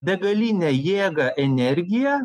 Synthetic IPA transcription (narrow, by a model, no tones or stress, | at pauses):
bʲɛɡɐlʲinʲɛjeːɡɐʔɛnʲɛɾʲɡʲɪjɛ